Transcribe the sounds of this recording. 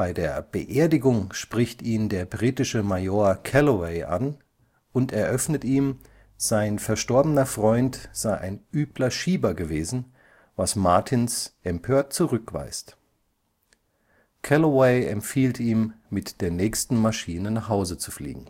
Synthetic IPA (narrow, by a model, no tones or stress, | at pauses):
b̥aɪdeːɐb̥əʔeːɐdɪɡʊŋʃpʁ̥ɪçtiːndeːɐbʁiːtɪʃəmajoːɐkʰɛloweɪʔa̰n | ʔʊntɛɐʔœfnətiːm | z̥aɪnfɛɐʃtɔɐbənɐfʁ̥ɔʏntz̥aɪʔaɪnʔyːplɐʃiːbɐɡəveːzn̩ | vasmaɐtʰɪnsʔɛmpʰøːɐt̚t͡suʁʏkv̥a̰ɪst | kʰɛloweɪɛ̰mfiːltiːmːɪtd̥eːɐnɛːçstn̩maʃiːnənaχhaʊzət͡su̥flḭːɡŋ̩